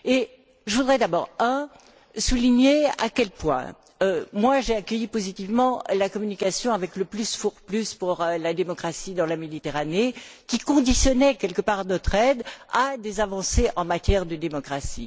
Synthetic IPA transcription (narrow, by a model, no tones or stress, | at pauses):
e | ʒəvud̪ʁɛd̪abɔʁɛ̃ | suliɲea̰kʲɛlpwɛ̰̃ | ømwaʒeakʲəjipozit̪ivmɑ̃lakɔmynikasjɔ̃avɛkləplysfuʁplyspuʁlad̪emɔkχasid̪ɑ̃lamed̪it̪eʁanekʲikɔ̃d̪isjɔnɛkʲɛlkəpaʁnɔt̪χɛd̪ad̪ezavɑ̃seʔɑ̃mat̪jɛʁd̪əd̪emɔkχasḭ